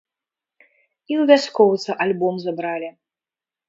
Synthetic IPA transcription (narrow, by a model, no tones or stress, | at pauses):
iwvʲaskɔwt̪sɨʔalʲbɔmzabɾalʲi